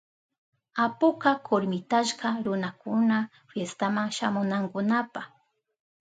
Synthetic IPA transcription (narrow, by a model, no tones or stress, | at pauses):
apʊkakʰoɾmɪt̪aʃkaɾʊnakʊna | fjest̪amaŋʃamʊnaŋkʊnapax